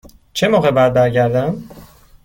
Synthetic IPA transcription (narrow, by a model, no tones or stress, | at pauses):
t͡ʃʰemoːɣebæɾbæɾɟæɾd̪æm